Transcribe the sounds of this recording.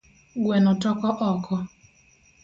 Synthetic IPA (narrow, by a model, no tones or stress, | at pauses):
ɡwɛnɔtɔkɔʔɔkʰɔ